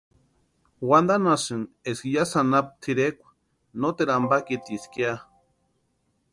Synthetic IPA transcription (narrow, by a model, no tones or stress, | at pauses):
wand̪anasɨneskijasanap̚t̪ʰiɾekʷ | not̪eɾambakit̪iskia